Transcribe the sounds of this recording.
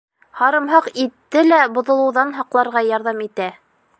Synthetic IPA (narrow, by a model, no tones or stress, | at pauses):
hɑɾɤ̆mɦɑqit̪ːɘlæbŏðŏlˠɤ̆wðɑnɦɑqlˠɑɾʁɑjɑɾðɑmit̪æ